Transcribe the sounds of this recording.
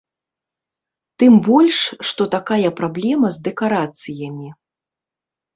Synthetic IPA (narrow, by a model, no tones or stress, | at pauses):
t̪ɨmbɔlʲʂːt̪ɔt̪akajɐpɾablʲɛmɐzd̪ɛkaɾat̪sɨjɐmʲi